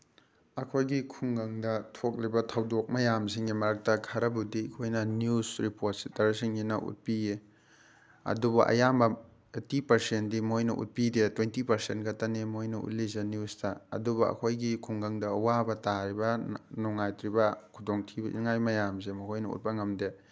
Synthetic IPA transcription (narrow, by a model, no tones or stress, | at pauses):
ɐkʰojɡikʰuŋɡɐŋdɐtʰok̚libɐtʰɐwdok̚mɐjamsiŋɡimɐɾɐk̚tɐkʰaɾɐbudiikʰojnɐnjusɾipot̚si̥tɐɾsiŋinɐʔṵt̚pije | ɐ̰dubɐʔɐ̰jamɐ | etipɐɾsentdimojnɐ̰ʔṵt̚pidetwentipɐɾsentɡɐtɐnemojnɐṵt̚lizenjustɐɐ̰dubɐɐ̰kʰojɡikʰuŋɡɐŋdɐːwabɐtaɾibɐnɔŋajtɾibɐkʰudoŋtʰibɐʔḭnŋajmɐjamz̬emɐkʰojnɐṵt̚pɐŋɐmde